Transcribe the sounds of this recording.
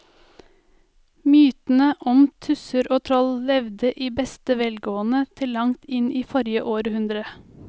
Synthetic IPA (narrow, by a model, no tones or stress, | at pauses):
myːt̪n̩əʔɔmt̪ʰʉsəɾoːt̪ʰɾɔllɛʋd̪əʔiːbɛst̪əʋɛlɡoːənət̪ʰɪllɑŋt̪ɪniːfɔɾjəʔoːɾhʉnd̪ɾə